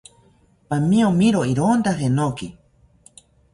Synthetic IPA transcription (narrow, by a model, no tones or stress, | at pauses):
pamĩomĩɾoiɾond̪aɦenoki